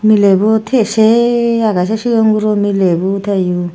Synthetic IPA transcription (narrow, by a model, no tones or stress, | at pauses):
mĩlebot̪ʰeʔseakas̬esijoŋɡuɾomĩlebut̪ʰeju